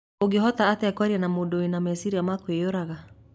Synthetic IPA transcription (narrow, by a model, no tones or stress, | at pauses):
oɡeɦɔtaːteakwaɾiɛnamodoenamɛsiɾiamakwejoɾaɣa